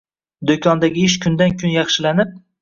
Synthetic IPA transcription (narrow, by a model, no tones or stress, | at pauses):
d̪okʰɒnd̪aɡʲɪɪʃkʲʰʊnd̪ankʲʰʊnjɑχʃɪlanɪp̚